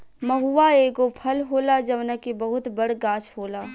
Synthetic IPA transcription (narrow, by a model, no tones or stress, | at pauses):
mɐɦuʋaeːɡopʰɐlɦoːlad͡ʒɐʋnəkibɐɦʊt̪bɐɽɡaːt͡ʃʰɦoːlaː